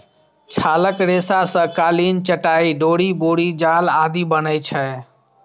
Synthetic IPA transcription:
t͡ʃʰaːləkɾeːsasə̃kaːliːnt͡ʃəʈaːiɖoːɽiboːɽid͡ʒaːlaːd̪ʱiːbənəit͡ʃʰɛː

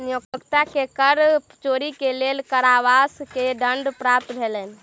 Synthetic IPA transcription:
nijokəkt̪akekəɾ | t͡ʃoɾikelelkəɾaʋaskeɖəɳɖpɾap̚t̪bʱelɛn

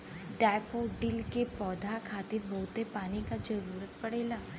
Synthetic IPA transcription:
ɖaːɪfoːɖɪlkepɔːd̪ʱakʰaːt̪ɪɾbɔɦʊt̪epaːnikad͡ʒɐɾuːɾət̪̚pɐɽeːlaː

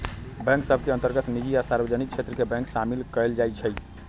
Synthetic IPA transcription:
bɛ̃ŋksəbʱkeə̃nt̪əɾɡət̪nid͡ʒiasaɾbəd͡ʒənik̚t͡ʃʰet̪ɾəkebɛ̃ŋksamilkəld͡ʒajt͡ʃʰəj

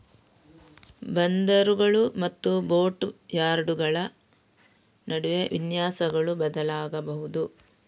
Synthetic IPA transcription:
bɐnd̪ɐɾuɡɐɭumɐt̪ːubo̞ːʈjaːɾɖuɡɐɭɐ | nɐɽuʋeʋʔinjaːsɐɡɐɭubɐd̪ɐlaːɡɐbɐɦud̪u

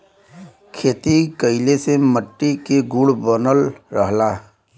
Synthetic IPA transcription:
kʰeːt̪ikəɪleseməʈːikeɡuɽbənəlɾəɦlaː

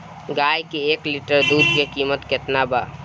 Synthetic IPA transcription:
ɡaːjkieːklɪʈəɾd̪uːd̪ʱkekiːmət̪kɪt̪nabaː

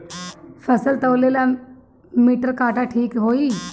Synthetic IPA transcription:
fʰəsəlt̪əlela | miːʈəɾkaːʈaʈʰiːkɦoːiː

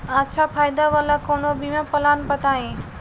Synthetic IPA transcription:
ətːʃʰapʰaːjd̪aʋalakoːnobʱimẽpɐlaːnbət̪aːĩ

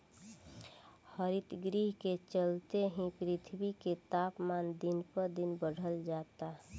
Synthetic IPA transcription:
həɾit̪ɡɾiɦket͡ʃəlt̪eɦĩpɾit̪ʰbiket̪apmand̪inpəɾd̪inbəɽ̤ʱəld͡ʒat̪a

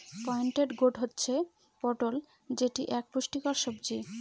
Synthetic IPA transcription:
pɔeɳʈeɖɡoʈɦotːɕʰe | pɔʈol | d͡ʑeʈiʔɛk̚puʃʈikɔɾʃobd͡ʑi

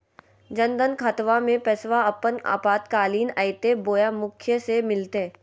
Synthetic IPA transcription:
d͡ʒə̃nd̪ənkʰət̪ʋamẽpɛsʋaəpəna̰ːpaːt̪kaːliːnaɪt̪eboːjamʊkʰjəsemɪlt̪e

